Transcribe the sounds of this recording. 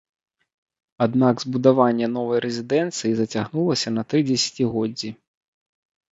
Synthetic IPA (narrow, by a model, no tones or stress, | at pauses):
ad̪naɡzbud̪avanʲːɛn̪ɔvɐjɾɛzʲid̪ɛnt̪sɨjizɐt͡sʲaɣnulˠɐsʲɐnɐt̪ɾɨd͡zʲɛsʲɐ̥t͡sʲiɣɔd͡zʲːi